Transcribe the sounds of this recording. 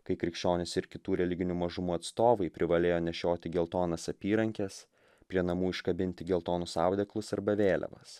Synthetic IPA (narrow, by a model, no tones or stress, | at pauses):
kɐɪkɾʲɪkʃʲt͡ʃʲoːnʲɪsɪɾkʲɪt̪uːɾʲɛlʲɪɡʲɪnʲumɐʒʊmuːɐt̪st̪oːʋɐɪpʲɾʲɪʋɐlʲeːjoːnʲɛʃʲoːt̪ʲɪɡʲɛlˠt̪oːnɐsɐpʲiːɾɐŋʲkʲɛs | pʲɾʲiɛnɐmuːɪʃkɐbʲɪnʲt̪ʲɪɡʲɛlˠt̪oːnʊsɑˑʊd̪ʲɛklˠʊsɐɾbɐʋʲeːlʲɛ̰ʋɐ̰s